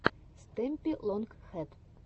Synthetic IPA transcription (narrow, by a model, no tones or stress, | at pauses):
st̪ɛmʲpʲilˠɔŋkxɛt̪